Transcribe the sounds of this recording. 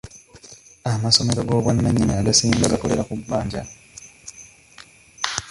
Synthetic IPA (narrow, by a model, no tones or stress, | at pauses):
amaso̞me̞ɾo̞ɡo̞ːβwanːaɲːiɲiaɡasiːŋɡaɡako̞le̞ɾakubːaːɲɟa̰n